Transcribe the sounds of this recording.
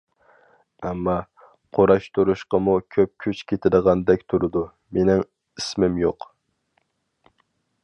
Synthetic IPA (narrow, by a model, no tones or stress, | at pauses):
ɛmːɑ | qʰoɾɑʃt̪ʰuɾuʃqɑmukʲʰøp̚kʲʰyt͡ʃkʲʰet̪ʰɪɾəʁɑnd̪ɛkʲt̪ʰuɾɨd̪u | menɪŋ | ismɪmjoq